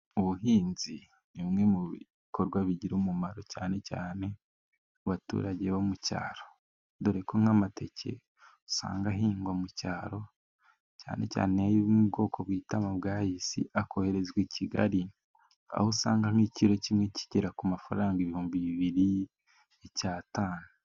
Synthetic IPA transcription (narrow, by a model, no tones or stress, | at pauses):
uβuɦiːnzi | nimŋe̞muβi | ko̞ɾɡwaβiɟiɾumumaɾo̞caːne̞ca̰ːne̞ | uβatṵːɾaɟe̞βomuca̰ːɾo̞̥ | duɾe̞koŋ̥hamatʰe̞cʰe̞̰ | u̥sa̰ːŋɡaɦiːŋɡwamucaːɾo̞ | ca̰ːne̞̰ca̰ːneajiβumubɡo̞ːko̞bwiːtamabɡaːhisḭʔakʰo̞he̞ɾe̞zɡwiːcʰiɡa̰ɾi | a̰hosaːŋɡaŋiːciɾo̞cimŋeciɟeɾakumafa̰ɾaːŋɡeβihuːmbiβiβiɾi | ecaːtaːnu